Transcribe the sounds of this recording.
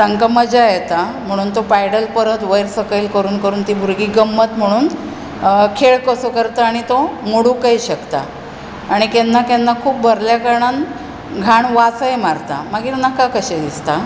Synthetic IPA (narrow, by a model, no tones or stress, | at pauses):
t̪aŋkaməd͡ʑajet̪am̤əɽ̃uːnt̪opajɽəlpəɾət̪ʋəjɾsəkəjilkəɾuːnkəɾuːnt̪iːbʱuɾɡiːɡəmːət̪m̤əɽ̃uːn | kʰeɭkəsokəɾt̪aaɽ̃it̪omuɽukəiɕəkt̪a̰ː | ɽ̃ikenːakɛnːakʰuːp̚bʱəɾljakəɾɳan | ɡʱaɳʋat͡səemaɾt̪a̰məɡiːɾnakakəɕɛd̪ist̪a